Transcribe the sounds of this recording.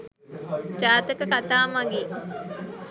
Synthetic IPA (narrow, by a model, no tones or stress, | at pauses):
d͡ʒaːt̪ɐkɐkat̪aːmɐɡi